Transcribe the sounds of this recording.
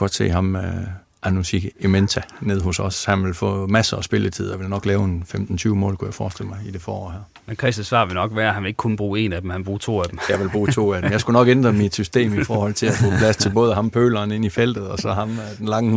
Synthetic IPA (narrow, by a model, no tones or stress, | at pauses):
ɡ̥ɒ̽d̥se̝̰ːɦɑ̈mø | ʔænusiɡ̥ement͡sʰæne̝ð̞̰ˠɦɔ̽sɒ̽shænʋe̝lfɔ̰̽ːmæsɐːsb̥e̝lət͡sʰið̰ˠɒʋe̝lnɒ̽ɡ̥lɛːʊenfemd̥n̩t͡sʰyːʊmɔ̰ːlkʰujɑ̈ɪfɒ̰ːsd̥e̝l̰mɑ̈ɪid̥e̝fɒ̰ːɒ̰ːhæɐ | menkʰʁɛsæsʋɑ̰̈ːʋe̝lnɒ̽ɡ̥ʋæːɐhænʋele̝ɡ̥kʰun̩b̥ʁuːe̝̰ːnæd̥emhænb̥ʁuːt͡sʰo̝̰ːæd̥emjɑ̈ɪʋe̝lb̥ʁuːt͡sʰo̝̰ːæd̥emjɑ̈ɪsɡ̥unɒ̽ɡ̥end̥ʁɐmid̥sysd̥e̝̰ːmifɒːhɒ̽l̰t͡sʰe̝læfɔ̰pʰlæst͡sʰe̝lb̥ɔ̽ːðˠəɦɑ̈mpʰø̰ːlɐːne̝n̰ifel̰d̥ð̞̩ˠɒ̽sɒ̽ɦɑ̈md̥enlɑ̈ŋə